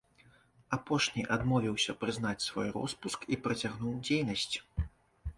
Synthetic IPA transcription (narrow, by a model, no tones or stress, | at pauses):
apɔʂnʲiʔad̪mɔvʲiwsʲɐpɾɨznat͡sʲsvɔ̰jrɔ̰spuskipɾɐt͡sʲaɣnuwd͡zʲejnɐsʲt͡sʲ